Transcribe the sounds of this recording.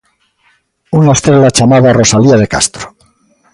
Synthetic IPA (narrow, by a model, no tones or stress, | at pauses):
unaest̪ɾelat͡ʃamaðaro̞saliað̞e̞ka̰st̪ɾo